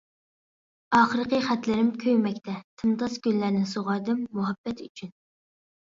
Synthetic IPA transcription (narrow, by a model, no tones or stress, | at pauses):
ɑːχəɾəqəχæt̪lɪɾɪmkʲʰøjmɛkʲt̪ʰɛt̪ʰɨmt̪ɑsɡʲylːæɾnɪsoʁɑɾd̪ɨmːuɦɑb̥ːɛt̪yt͡ʃʰyn